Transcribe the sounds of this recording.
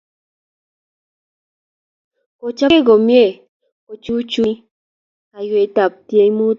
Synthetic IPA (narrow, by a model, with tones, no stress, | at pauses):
ko˨t͡ʃa˦ɡo˨mje˦ | o˨t͡ʃu˦t͡ʃu | a˨jwe˧˨t̪a˨p̚t̪je˧mu˦